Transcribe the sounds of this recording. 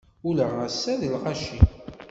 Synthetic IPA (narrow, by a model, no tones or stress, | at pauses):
uləʁæsːæðəlʁaʃi